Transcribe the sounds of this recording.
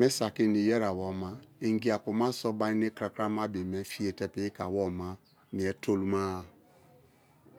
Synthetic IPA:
me˦sa˨ki˦ni˨jɛ˦ɾa˨wɔ˨ma˦i˨ŋɡi˨˦a˨ku˨ma˦sɔ˦ba˦i˦ne˦kɾa˨kɾa˦ma˦be˨mɛ˦fi˦e˨tɛ˦pi˦ka˨wɔ˦ma˦ | ni˨ɛ˨˦tʰo˦lu˦ma˦˨

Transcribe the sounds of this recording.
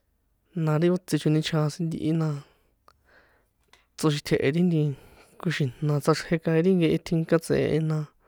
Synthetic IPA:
nã˧ɾi˦o˦t͡si˧t͡ʃu˧nĩ˧t͡ʃʰã˧sĩ˧nd̪ḭ˧ʔi˦nã˧ | t͡so˧ʃ̬i˧t̪ʰe˧˨ʔe˧ɾi˦nd̪i˧ | ku˧ʃĩ˨n̥nã˧t͡sa˧ʂhe˧kã˧ĩ˧ɾi˦ŋɡe˧ʔe˧t̪ʰi˧ŋka˦t͡sḛ̃˨˧ʔḛ˧nã˧

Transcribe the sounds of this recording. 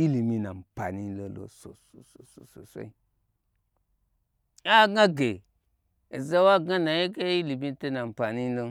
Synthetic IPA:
i˦li˨mi˦na˨mpa˨ni˦lo˦lo̰˨˦so˨so˨so˨so˨so˨so̰˦i˦ | a˦˨ɡa˦ɡe˨ | e˨za˦wa˦ɡa˦na˨je˦ke˦i˦li˨mi˦te˦na˨m˨pa˨ni˦lo˦

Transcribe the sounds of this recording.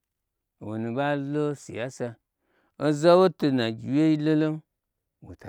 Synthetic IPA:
wo˨nu˨ba˦lo˦sḭ˨ja˦sa˧ | o˦za˦wo˦to˧na˨ɡʲi˨we˦i˦lo˦lo˦m | wo̰˨ta˨

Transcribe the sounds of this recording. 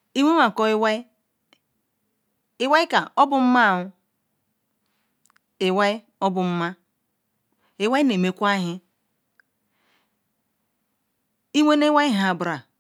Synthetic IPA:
i˦wʷe˦a˨kɔ˦i˦wa˦i˦ | ɪ˦wa˦i˦ka˨o˦bʊ˨m̩˦ma˦˨ʊ˦ | ɪ˨wa˦i˦ | ɔ˦bʊ˨m̩˦ma˦ | i˦wa˦i˦ne˨me˨kʷa˦ɦɪ˦ | i˦we˦ne˦wa˦i˦ɦa˨bɾa˨

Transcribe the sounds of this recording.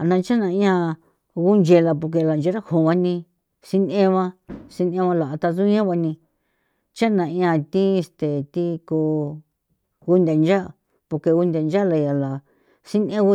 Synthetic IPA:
a˨nã˧t͡ʃa˦nã˧ĩ˦˧ã˧ | ɣu˦nd͡ʒe˧la˧p̬u˧k̬e˧la˨nd͡ʒe˧˦ɾa˦hõ˨βa˧nĩ˧ | si˧nẽ˦βã˦˧si˧nẽ˧˦βã˧la˨ʔa˧t̪a˧zu˦ɲã˦βa˧nĩ˧ | t͡ʃa˦nã˨ĩ˧ã˧t̪ĩ˦˧st̪e˨t̪i˦ku˧ | ɣu˦nd̪a˨nd͡ʒa˦˨ | po˧ke˧ɣu˧nd̪a˨nd͡ʒa˦la˧ja˨la˨ | si˦nẽ˦u˧˦

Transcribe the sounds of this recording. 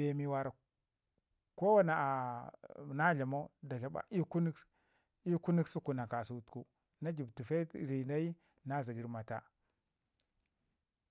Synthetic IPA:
be˨mi˨wa˨ɾa˨ | ko˦wa˦na˨ | na˦ɮa˨mo˦da˨ɬa˦ba̰˨ʔi˦ku˦ni˦k | i˦ku˦ni˦ksu˦ku˨na˨ka˨su˨tku˦ | na˦d͡ʒi˨btu˨fe˦˨ɾi˨na˦i˦ | na˦zi˨ɡi˨ɾma˨ta̰˦

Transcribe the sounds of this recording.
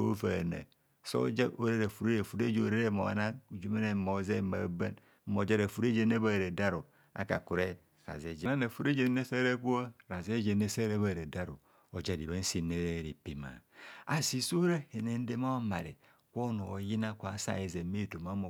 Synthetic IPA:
o˦va˨nḛ˨ | so̰˦d͡ʒa˦ʔo˦ɾe˦ɾe˨fu˨ɾe˦ɾe˨fu˨ɾe˦d͡ʒo˨ɾe˦ɾe˦˨mo̰˨a̰˨na˦u˨d͡ʒu˦me˦ne˨mo˨˦ze˦˨ma̰˨˦ba˦n̩˦ | mo˨˦d͡ʒa˦ɾa˨fu˨ɾe˦d͡ʒe˦n˦e˦βa˦˨ɾe˨da˦ɾo˨ | a̰˦ka̰˨ku˨ɾe˦ | ɾa̰˨ze˨d͡ʒe˨na˦na˨fu˨ɾe˦d͡ʒe˦ne˦se˦ɾe˦ku˦a˦ɾa˨ze˦d͡ʒe˨ne˦se˦ɾe˦βa˦˨ɾe˨da˦ɾo̰˨ | o˨d͡ʒa˦˨di˨βa˦n̩˦si˦˨ne˦ɾe˦˨ɾi˨pi˦ma̰˨a˨si˨so˦ɾe˦he˨ne˨n̩˦de˦ma˦o˦ma˨ɾḛ˨ | kʷo˦no˨ji˦na˦kʷa˨˦sa̰˨e˨ze˨˦me˦˨to˨ma˦mo˨

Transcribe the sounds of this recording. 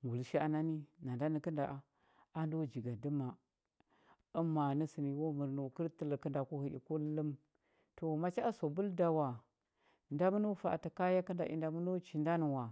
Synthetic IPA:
ŋɡu˨lʃi˦a˨na˦ni˦na˨nda˦ni˨kə˦nda˨ʔa˨ | a˦n˦do˦˨d͡ʒi˨ɡa˨də˦ma˨ | ə˦ma˨ni˦si˨ni˨wo˦mə˨ɾno˨kə˦ɾtə˦lə˨kə˦nda˨ku˦hi˨ḭ˨ku˦lə˦m | to˨ma˦t͡ʃa˦a˦so˨bu˦lda˨wa˨ | nda˦mu˦no˦fa̰˨ta˨ka˦ja˦kə˦nda̰˨ʔḭ˨nda˨mu˦no˦t͡ʃi˨nda˦n˨wa˨

